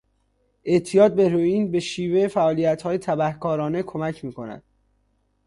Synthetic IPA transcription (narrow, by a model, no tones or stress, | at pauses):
ʔe̞ʔt̪ʰijɒːt̪̚be̞ɾoiːnbe̞ʃiːvefæʔɒːlijæt̪hɒːjet̪ʰæbæhkʰɒːɾɒːne̞kʰomæcʰmiːkʰo̞næ̰d̪̥